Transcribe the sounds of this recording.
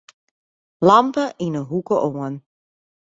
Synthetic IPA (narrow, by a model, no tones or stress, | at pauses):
lɑmpəʔinəɦukəʔoən